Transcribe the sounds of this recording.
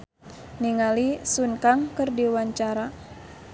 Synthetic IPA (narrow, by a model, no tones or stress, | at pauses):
niŋalisunkaŋkərdiwaɲt͡ʃaɾa